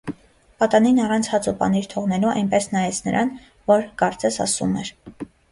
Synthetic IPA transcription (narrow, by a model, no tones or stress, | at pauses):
pɑt̪ɑninɑrɑnt͡sʰhɑt͡supɑ̰niɾt̪ʰɔʁnɛluɑ̰jnpɛsnɑjɛt͡sʰnəɾʔɑn | vɔɾkɑɾt͡sɛsɑ̰sṵmɛɾ